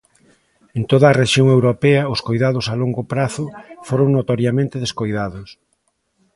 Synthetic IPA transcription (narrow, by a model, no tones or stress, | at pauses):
ent̪oðɐːreʃjoŋewɾopɛɐʊskojðaðʊsaloŋɡopɾaθʊfoɾoŋnot̪oɾjamẽnt̪ɪðeskojðaðʊs